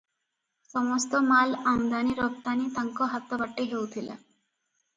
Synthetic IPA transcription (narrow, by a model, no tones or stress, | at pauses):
sɔmɔst̪ɔmalamd̪aniɾɔb̚t̪anit̪aŋkɔɦat̪ːɔbaʈːeɦewt̪ʰila̰